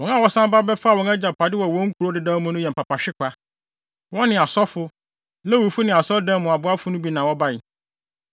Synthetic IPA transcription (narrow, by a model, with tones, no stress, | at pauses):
wɔ̃˨˦nã˦˨wɔ˦sã˦m˦ba˦bɛ˦fa˦˨wɔ̃˨nɛ˦d͡ʑa˨pʰa˨dɪ˦wɔ˨wɔ̃˦ŋ̩˦kʰu˨ɾo˦dɪ˨dãː˦mʊ̃˦nʊ̃˦jɛ˨m̩˨pa˨pa˨ɕᶣɪ˦kʰʷa˦ | wɔ̃˦nɪ̃˨a˨sɔ˦fʊ˦ | lɛ˦wu˨fu˦nɪ̃˨a˨sɔ˦dã˦mʊ̃˨a˨bʊ˦a˦fʊ˦nʊ̃˦bi˦nã˨wɔ˦ba˦ɪ˨